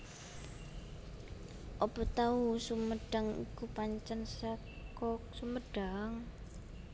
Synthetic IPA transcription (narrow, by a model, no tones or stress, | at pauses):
ʔɔpɔt̪ausuməɖ̥a̤ŋḭkupaɲt͡ʃansa | kɔksuməɖ̥aŋ